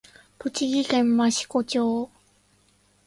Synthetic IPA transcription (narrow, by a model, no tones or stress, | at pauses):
put͡ɕiɡikemːaɕi̥kot͡ɕo